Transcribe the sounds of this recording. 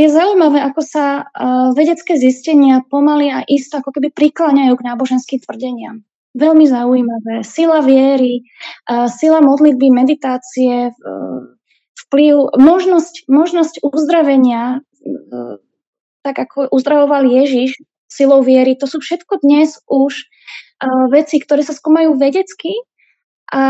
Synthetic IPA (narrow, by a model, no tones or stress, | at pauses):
jɛzaujmaʋɛːʔakɔsaʋɛɟɛt͡skɛːziscɛɲɪapɔmaliaʔist̪ɛakɔkɛbipɾiklaɲajuːɡnaːbɔʒɛnskiːmt̪ʋr̩ɟɛɲɪa̰m | ʋɛlmizaujimaʋɛːsilaʋɪɛɾi | silamɔd̪lid̪̚bimɛd̪it̪aːt͡siɛ | fpliʊmɔʒnɔscmɔʒnɔscuzd̪ɾaʋɛɲɪa | t̪aɡakʰɔʔuzd̪ɾaʋɔʋaljɛʒiʃ | silɔʊʋɪɛɾit̪ɔsuːfʃɛt̪kɔd̪ɲɛzʔuʃ | ʋɛt͡sikt̪ɔɾɛːsaskuːmajuːʋɛɟɛt͡ski | ʔa